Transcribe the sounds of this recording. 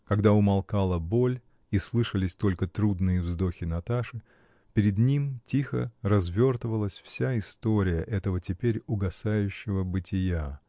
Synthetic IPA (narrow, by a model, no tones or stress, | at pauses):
kɐɡd̪aʊmɐlˠkalˠəbo̞lʲ | islˠɨʂəlʲɪsʲt̪o̞lʲkət̪ɾud̪nɨjəvzd̪o̞xʲɪnɐt̪aʂɨ | pʲɪɾʲɪd̪nʲimtʲixə̰rɐzvʲo̞rt̪əvəlˠəsʲfsʲaɪst̪o̞ɾʲɪjəʔɛt̪əvətʲɪpʲeɾʲʊɡɐsajʉɕːɪvəbɨtʲɪja